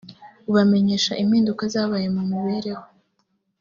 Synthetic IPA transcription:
uβame̞ɲe̞ːʃaʔim̥hiːndukazaːβaje̞mumuβe̞ɾe̞ho

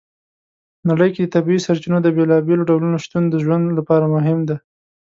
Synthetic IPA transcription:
naɽəjked̪ət̪abiisaɾt͡ʃinod̪əbelɑbeloɖawlunoʃt̪und̪əʒwand̪lapɑɾamʊɦɪmd̪a

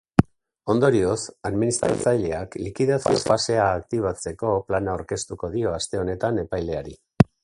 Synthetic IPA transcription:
o̞nd̪o̞ɾio̞saðminist̪ɾa̰t͡sajʎe̞aklikiðasḭo̞̰fase̞aːkt̪iβ̞at͡se̞ko̞planawɾke̞st̪uko̞ðio̞ast̪e̞o̞ne̞t̪ane̞pajle̞aɾi

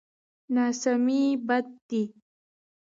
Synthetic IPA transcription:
naːsamibad̪̚ːi

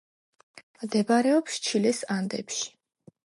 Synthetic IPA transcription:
md̪ɛbaɾɛɔpst͡ʃʰilɛsand̪ɛ̰pʃi̥

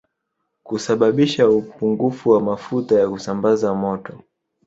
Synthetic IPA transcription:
kusaɓaɓiʃaupuŋɡufuwamafutajakusambazamɔtɔ

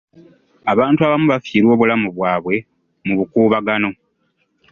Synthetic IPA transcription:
aβaːntuaβamuβafjiːɾwo̞ːβulamuβwaːβwe̞ | muβukuːβaɡano̞

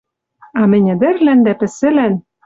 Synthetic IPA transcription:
ɑmɘ̆nʲɘ̆d̪ɘ̆rlænd̪æpɘ̆sɘ̆læn

